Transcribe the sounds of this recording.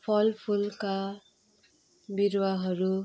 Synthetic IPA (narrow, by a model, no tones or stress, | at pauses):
pʰʌlpʰulka | biɾwaɦʌɾu